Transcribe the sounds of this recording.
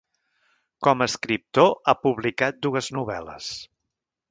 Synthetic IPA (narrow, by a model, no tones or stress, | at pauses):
kɔməəskɾip̚t̪oapuβlikat̪̚d̪uəznuβɛ̰lə̰s